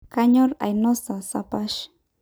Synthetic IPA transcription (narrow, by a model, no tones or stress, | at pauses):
kaɲoɾa̰jnosasa̰paʃ